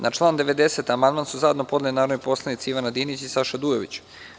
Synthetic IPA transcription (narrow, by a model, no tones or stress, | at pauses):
nʔat͡ʂlˠaːnd̪eʋed̪e̞set̪amand̪maːnsuzajed̪nopo̞d̪lelinaːɾnojpo̞slˠanit̪siiʋanad̪iːnit͡ɕisaʃad̪ujoʋḭt͡ɕ